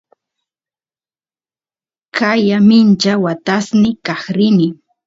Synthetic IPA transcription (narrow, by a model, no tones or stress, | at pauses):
kajamɪnt͡ʃawat̪asnɪkaχɾɪnɪ